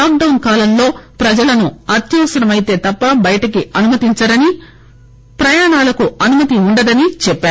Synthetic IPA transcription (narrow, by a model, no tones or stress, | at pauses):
aːk̚ɖɐwnkaːlɐmlo̞ːpɾɐd͡ʒɐlɐnuɐt̪jɐʋɐsɐɾɐmɐjit̪e̞ːt̪ɐpːɐbɐjɐʈɐkiɐnumɐt̪iɲt͡ʃɐɾɐni | pɾɐjaːɳaːlɐkuɐnumɐt̪iuɳɖɐd̪ɐnit͡ʃɛpːaːɾ